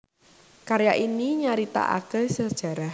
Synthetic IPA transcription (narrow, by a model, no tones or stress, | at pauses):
kaɾjaʔiniɲaɾit̪a̰ʔa̰kəhsəd̥ʒ̥ä̤ɾah